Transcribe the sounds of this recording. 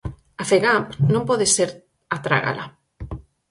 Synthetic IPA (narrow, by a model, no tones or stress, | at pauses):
afeɣampnõmpɔðeseɾ | at̪ɾa̰ɣa̰lʔa̰